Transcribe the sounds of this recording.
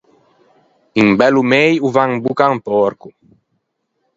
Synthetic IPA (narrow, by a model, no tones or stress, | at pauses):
iŋbɛlumejuvaŋbukaŋpɔɾku